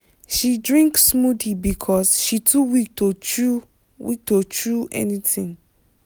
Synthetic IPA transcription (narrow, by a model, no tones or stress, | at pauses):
ʃidɹĩŋkssmudlibikʰɔsʃitʰuwik̚tʰot͡ʃu | wḭk̚tʰot͡ʃɹuɛ̰nitĩŋ